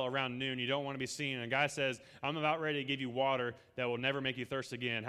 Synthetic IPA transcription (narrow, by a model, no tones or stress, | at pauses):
lˠə˞ãʊ̃nːʉ̃njɨɾõʊ̃nʔ̚wɑ̃nɨbisĩnɨ̃nɨɡaɪsɛz | ãɪ̃məbaʊt̚ɹɛɾiɾɨɡɪvjɨwɔɾə˞ | ðɨt̚wɪlˠnɛvə˞meɪkjɨθɜ˞stɨɡɛ̃n